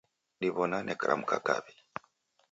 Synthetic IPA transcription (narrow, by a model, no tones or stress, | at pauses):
niβɔnanʔɛkaɾʔa̰m̩kaka̰βi